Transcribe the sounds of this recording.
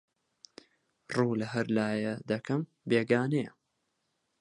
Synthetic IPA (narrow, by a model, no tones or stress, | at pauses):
ruːlɐɦɐɾlaːjɐd̪ɐkʰɐm | beːɡaːnejɐ